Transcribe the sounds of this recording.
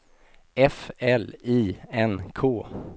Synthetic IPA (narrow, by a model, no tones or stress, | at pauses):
ɛfɛliːɛnkʰoː